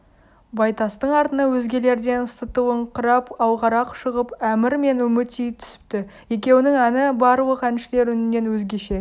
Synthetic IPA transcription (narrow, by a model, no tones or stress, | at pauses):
bɑjt̪ɑst̪əɴɑɾt̪ənɑwɵzɡʲe̞le̞ɾd̪e̞nsət̪uwəɴqʰəɾɑpɑwˠʁɑɾɑqʃəʁəpæmɪɾme̞nʏmɪt̪ijt̪ʰʏ̥sɪ̥p̚t̪ɪje̞kʲe̞wɪnɪŋænɪbɑɾəwˠəqænʃɪle̞ɾʏnɪnːe̞nwɵzɡʲe̞ʃe̞